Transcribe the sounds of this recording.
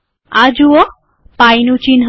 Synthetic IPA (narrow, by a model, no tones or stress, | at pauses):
ad͡ʒuo | pajnũt͡ʃinɦ